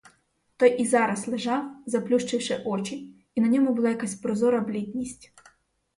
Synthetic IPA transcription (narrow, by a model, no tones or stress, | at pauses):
t̪ɔjizɑɾɐslˠeʒɑwzɐplʲuʃt͡ʃɪwʃɪʔɔt͡ʃi | inɐnʲɔmʊbʊlˠɑjɐkasʲpɾɔzɔɾɐblʲid̪ʲnʲisʲtʲ